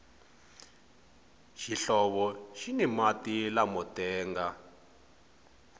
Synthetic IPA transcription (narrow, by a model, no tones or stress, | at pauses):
ʃiɬɔβɔʃinimatilamɔtɛːŋɡa